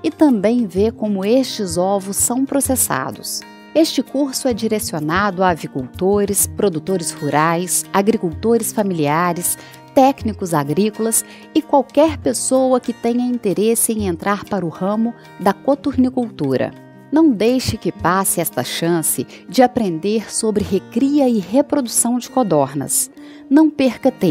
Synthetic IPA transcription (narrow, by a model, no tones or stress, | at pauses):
ɪt̪ɐ̃mbẽj̃vekõmʊest͡ʃɪzɔvʊsːɐ̃w̃pɾosesa̰d̪ʊ̰s | est͡ʃɪkuɾsʊɛd͡ʒiɾesionad̪ʊaːvikuwt̪oɾɪspɾod̪ut̪oɾɪshuɾajsaɡɾikuwt̪oɾɪsfamiliaɾɪs | t̪ɛknikʊzaɡɾikʊlɐs | ɪkwawkɛɾpesowɐkɪt̪ẽɲɐĩnt̪eɾesɪẽj̃ẽnt̪ɾʔaɾpaɾʊhɐ̃mʊ | d̪ɐkot̪uɾnikuwt̪uɾɐ̰ | nɐ̃w̃d̪ejʃɪkɪpasɪɛst̪ɐʃɐ̃sɪ | d͡ʒɪapɾẽnd̪eɾsobɾɪhekɾiɐɪɦepɾod̪usɐ̃w̃d͡ʒɪkod̪ɔɾnɐ̰s | nɐ̃w̃peɾkɐt̪ẽ